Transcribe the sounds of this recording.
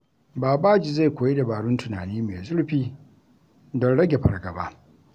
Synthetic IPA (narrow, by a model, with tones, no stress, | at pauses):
baː˨baː˦d͡ʒi˨za˦˨kʷoː˨je˦da˨baː˨ɽʊ˦ntʊ˨na̰ː˨niː˦mḛ˨zʊ˦ɽɸiː˦ | dɔ˦ɽɐ˦ɡʲe˨ɸɐ̰˨ɽɡɐ̰˨ba̰˦ʔ